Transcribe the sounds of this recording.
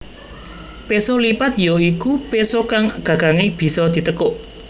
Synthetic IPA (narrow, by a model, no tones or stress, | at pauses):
pesolipat̪joikupesokaŋɡ̥ä̤ɡ̥aŋeb̥i̤sɔd̪̥i̤t̪əkoʔ